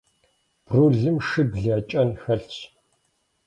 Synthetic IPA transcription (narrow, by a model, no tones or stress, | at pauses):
b̥ruːɮɨmʂɨbɮiːt͡ʃʼɐnxɐɬt͡ɕʰ